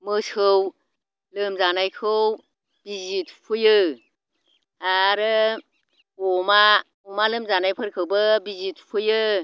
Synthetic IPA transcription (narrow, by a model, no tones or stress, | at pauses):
mɯsɯw | lɯmzanajkʰɯw | b̥izit̚pʰujɯ | aɾɯ | ɔma | ɔmalɯmzanajpʰɯɾkʰɯwbɯbizit̚pʰujɯ